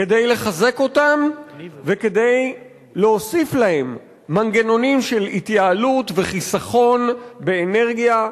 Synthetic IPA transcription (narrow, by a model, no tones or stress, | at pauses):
kedejle̞χaze̞ko̞tamveke̞d̪e̞j | leo̞siflahe̞mː | anɡeno̞nimʃe̞lit̪jaːlutve̞χisaχo̞nbeːne̞ʁɡija